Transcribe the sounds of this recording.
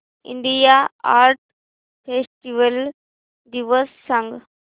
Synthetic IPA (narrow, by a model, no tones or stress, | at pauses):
ɪ̰nɖ̪ijaːaːɾʈ | fesʈiʋɐl | ɖiʋɐɾsːɐ̃ŋɡ